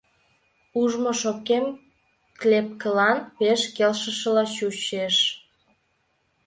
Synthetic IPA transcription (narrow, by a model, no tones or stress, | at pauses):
uʒmoʃokem | klep̚kəlɑnpeʃkelʃə̆ʃəlɑɕuɕeʃ